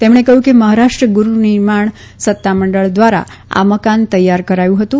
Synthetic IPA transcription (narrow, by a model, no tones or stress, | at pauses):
t̪emɳ̃ekəɦjũkeməɦaɾaʂʈɾəɡuɾunɪɾmaɳ̃ | sət̪ːaməɳɖəɭd̪ʋaɾa̰a̰məkant̪əjːaɾkəɾajũɦət̪ũ